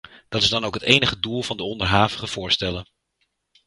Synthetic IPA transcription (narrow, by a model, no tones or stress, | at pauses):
d̥ɑtɪzdɑnowkɦətejnəχədulˠvɑndəɔndəɹɦaːvəχəv̥ʊːɹstɛlən